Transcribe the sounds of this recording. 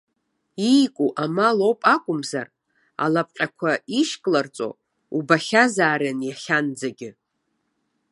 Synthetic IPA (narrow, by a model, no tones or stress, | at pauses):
ijkʷʼuʔamalo̞wpʼakʷʼʊmza̰r | a̰lapʼqʲʼakʷʰaiʃkʼlart͡sʼo̰ | ubaχʲazaːɾanjaχʲand͡zaɡʲɪ